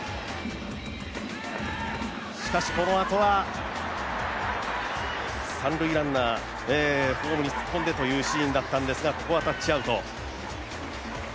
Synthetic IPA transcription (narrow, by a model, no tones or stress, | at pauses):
ɕi̥kaɕi̥ko̞no̞at̪o̞βa | sãnɾɯ̟iɾãnːa | eːɸo̞ːmɯ̟ɲ̟it͡sɨ̥kːõ̞nd̪e̞t̪o̞jɯ̟ːɕĩːnd̪at̪ːãnd̪e̞sɨɡakokoβat̪oat͡ɕiaɯ̟t̪o̞̰